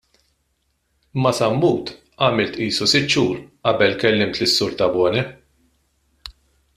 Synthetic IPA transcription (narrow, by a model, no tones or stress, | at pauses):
mːɐsɐmːuːt̪ | ʔɐːmɪlt̪ʔiːsusɪt̪ːt͡ʃuːɾʔɐbɛlkɛlːɪmt̪lɪsːʊɾt̪ɐbɔːnɛ